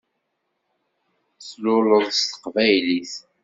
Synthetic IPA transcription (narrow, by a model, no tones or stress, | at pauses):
slʊləðˤst̪ə̥qvæjliθ